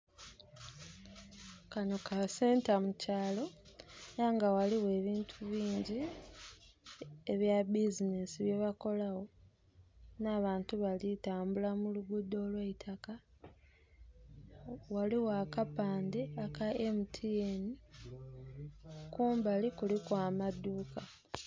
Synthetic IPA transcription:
kanokase̞ːntamucaːlo̞naːŋɡawaliwe̞ːβiːntʰuβiːɲɟi | eβjabizinesiβje̞βako̞lawo̞ | naːβaːntuβalitaːmbulamuluɡudːo̞ːlweitʰaka | waliwakapaːndeakaemitʰieni | kuːmbalikulikwaːmaduːka

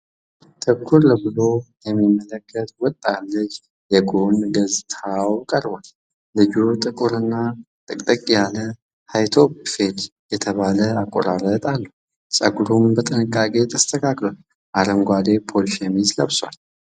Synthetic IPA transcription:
t̪ʼʰɨkʰːuɾləbɨlo̞jɛmːimːələkʰːət̪ʼwɔt̪ʼːalːɨt͡ʃː | jɛɡonɡəzt̪ʰawkʼəɾbal | lɨd͡ʒut̪ʼɨkʼuɾɨnːa | t̪ʼɨkʼt̪ʼəkʼjalə | hajt̪ʰobfet̪jɛt̪ʰəβaləakʼːo̰ɾaɾət̪ʼalːəh | t͡ʃʼəɡuɾumbət̪ʼɨnɨkʼːakʼe̞t̪ʼʰəst̪ʰəkʰaklwal | ʔaɾəŋɡʷad̪e̞pʰolʃemizləβswʷa̰l

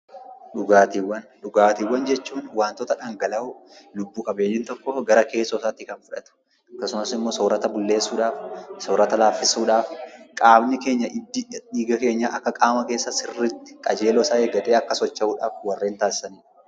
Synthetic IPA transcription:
ᶑʊɡaːt̪iwːɐnᶑʊɡaːt̪iwːɐnd͡ʒɛt͡ʃːuːnwaːnt̪ɔt̪ɐᶑaŋɡɐlɐʊlʊbːuːkʼɐbeːɲːɪnt̪ɔkːɔɡɐɾɐke̞ːsːɔsaːt̪ːɪkɐnfʊᶑɐt̪ʊ̥ | ɐkːɐsʊnɐsɪmːo̞ːsoːɾɐt̪ɐbʊlːe̞ːsːuːᶑaːfsoːɾɐt̪ɐlaːfːɪsuːᶑaːfkʼaːbnɪke̞ːɲːɐʔɪd̪ːɪᶑiːɡɐke̞ːɲːaʔɐkːɐkʼaːmɐke̞ːsːɐsɪrːɪt̪ːɪ̥kʼɐd͡ʒe̞ːlɔːsaːeːɡɐt̪ʼeːɐkːɐsɔt͡ʃːɐhuːᶑaːfwɐrːe̞ːnt̪aːsːɐniːᶑ

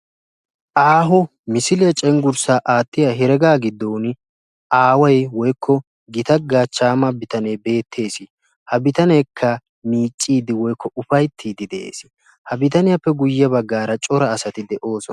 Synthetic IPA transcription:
ʔaːɦɔ | mɪsɪlɪjɐt͡ʃʼɛŋɡʊɾsaːʔaːt̪ːɪjaɦɛɾɛɡaːɡɪd̪ːoːn | ʔaːwɐjwɔjkʰːɔ | ɡɪt̪ɐɡːaːt͡ʃːaːmɐbɪt̪ɐnebe̞ːt̪ʰːe̞ːsɪ | hɐbɪt̪ɐnɛjkʰːɐ | miːt͡ʃʼːiːd̪ɪwɔjkʰːɔʊfɐjt̪ʰːiːd̪ɪd̪ɛʔḛːsɪ̥ | hɐbɪt̪ɐnɪjɐpːɛɡʊjːɪɐbɐɡːaːɾɐt͡ʃʼɔɾɐːsɐt̪ɪd̪ɛʔo̞ːsɔnɐ

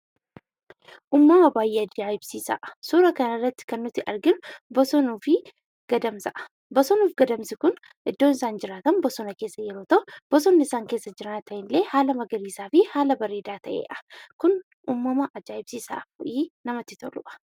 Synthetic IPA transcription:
ʔuːmːɐmɐbaːjːeːɐd͡ʒaːɪbsiːsɐ̰ʔɐsuːɾɐkɐnɐrːɐt̪ːɪ̥kɐnːʊt̪ːɪʔɐɾɡɪnʊbɔsɔnuːfɪ | ɡ̥ɐd̪ɐmsɐʔɐ̥ | bɔsɔnuːfɡɐd̪ɐmsɪkʊn | ʔɪd̪ːoːnɪsaːnd͡ʒɪɾaːt̪ɐnbɔsɔnɐke̞ːsːɐjɛɾo̞ːt̪ɐʔʊb̥ɔsɔnːɪɪsaːŋke̞ːsːɐd͡ʒɪɾɐnt̪ɐʔɪnle̞ːhaːlɐmɐɡɐɾiːsaːfɪhaːlɐbɐɾe̞ːd̪aːt̪ʰɐʔḛːʔɐ̥kʊn | ʔuːmːɐmɐʔɐd͡ʒaːɪbsiːsa̰ːfɔʔiːnɐmɐt̪ːɪt̪ɔlʊʔɐ̥

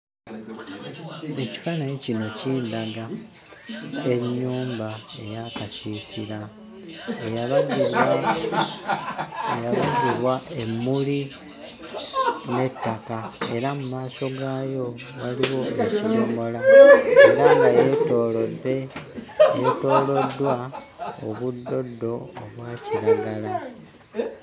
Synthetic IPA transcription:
e̞ci̥fanaɲicino̞ciːndaɡa | e̞ɲːuːmbae̞̰jakasisiɾa | ejaβaziβ | ejaβaziβwaʔe̞mːuli | ne̞tːakae̞ɾamumaːso̞ɡaːjo̞ | waliɣo̞ecikomo̞laeɾaŋɡajetoːlode | jeto̞ːlo̞dːwa | oβudːo̞dːo̞ːβwaːciɾaɡala

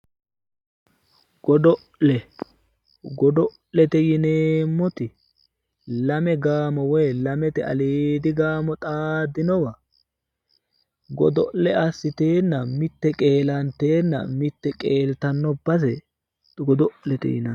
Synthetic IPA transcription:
ɡɔd̪ɔ | lɛ | ɡɔd̪ɔ | lɛt̪ɛjɪneːmːɔt̪ɪ | lɐmɛɡaːmɔwɔjlɐmɛt̪ɛɐ̰liːd̪ɪɡaːmɔt̪ʼaːd̪ːɪnɔwɐ | ɡɔ̰d̪ɔʔlɛɐsːɪt̪eːnːɐmɪt̪ːɛkʼe̞ːlɐnt̪e̞ːnːɐ̰mɪt̪ːɛkʼeːlt̪ɐnːɔbɐs̬ɛ | t̪ɡɔd̪ɔʔlɛt̪ɛ̰jɪ̰nɐ

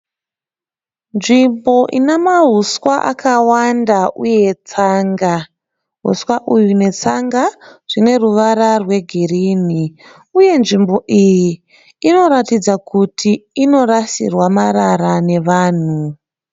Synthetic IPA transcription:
nʐimbo̞ʔḭnemaɦuswaʔa̰kawandauje̞t͡saːŋɡa | ɦṵswaʔujune̞t͡saŋɡaʐ̥ine̞ruʋaɾarwe̞ɡʱiriːni | uje̞nʐimbo̞ʔiji | ino̞ɾatid͡zakutʰiːno̞rasḭrwamaɾaɾane̞ʋaːn̤u

